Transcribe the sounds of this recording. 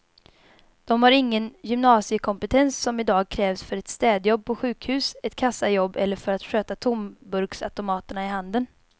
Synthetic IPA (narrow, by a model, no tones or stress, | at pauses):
d̪̥ɔmhaɾɪŋːənjʏmnɑːsɪəkʰɔmpət̪ʰɛnsːɔmɪd̪ɑːɡ̚kʰɾɛːvsfœɾɛt̪st̪ɛːd̪jɔb̚ːpʰɔɧʉ̟ːkhʉ̟ːsɛt̪kʰasːajɔbːɛlːəɾfœɾat̪ɧøːt̪at̪ʰʊmbɵɾksa̰t̪ʊmɑːt̪əɳaɪɦand̪ən